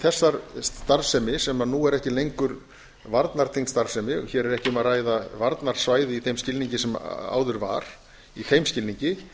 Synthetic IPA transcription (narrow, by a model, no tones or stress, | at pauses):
θɛsːaɾst̪aɾsɛmɪsɛmanuːɛɾɛhcɪlejŋkʏɾ | vaɾt̪naɾ̥t̪ʰiŋst̪aɾsɛmɪɔ̰çɛːɾɛɾɛhcɪʏmaraːjðavaɾt̪naɾ̥svaːjðɪiθejmscɪlniɲcɪsɛma̰ːwðʏɾva̰ɾ̥ | ihejmscɪlniɲcɪ